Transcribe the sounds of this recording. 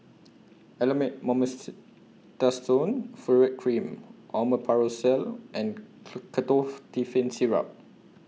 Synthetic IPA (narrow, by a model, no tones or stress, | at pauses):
ɛləmɛ̃t̚mɔ̃məs | tastõnfɔɹɛt̚kʰɹĩmʔɔməpʰaɹosɛlʔɛ̃nkʰətɔftifɛ̃nsiɹa̰p̚